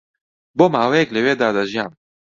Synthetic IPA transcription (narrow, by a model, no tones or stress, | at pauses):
boːmaːwejɛklɪweːd̪aːd̪aʒijaːm